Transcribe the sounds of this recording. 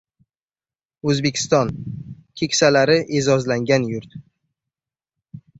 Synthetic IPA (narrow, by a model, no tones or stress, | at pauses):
ɵzbe̞kʲʰɪ̥st̪ɒnkʲʰe̞kʲsalaɾɪʔezɒzlaŋɡʲanjʊɾt̪